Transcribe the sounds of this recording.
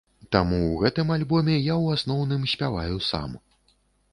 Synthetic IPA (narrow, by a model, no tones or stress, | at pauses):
t̪amuwɣɛt̪ɨmalʲbɔmʲɛjawasnɔwn̪ɨmsʲpʲava̰jusa̰m